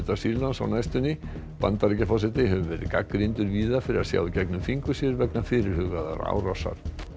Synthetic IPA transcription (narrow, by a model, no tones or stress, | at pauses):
t̪ḁsiɾlansa̰wnaːjst̪ʏnɪ | pa̰nt̪aɾicafɔs̬ɛt̪ɪɦɛvʏvɛɾɪ̰ðkakːɾint̪ʏɾviːðafɪɾɪɾasja̰ːwicɛknʏmfiŋkʏsjɛɾvɛknafɪɾɪɾ̥hʏɣaða̰ɾa̰wɾasa̰ɾ̥